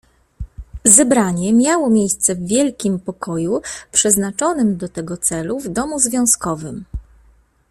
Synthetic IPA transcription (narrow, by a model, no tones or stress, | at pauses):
zɛbɾaɲɛmʲjawɔmʲjejst̪sɛvːʲjɛlkʲimpɔkɔjupʂɛznat͡ʂɔnɘmd̪ɔt̪ɛɡɔt̪sɛluvd̪ɔmuzvʲjɔ̃w̃skɔvɘm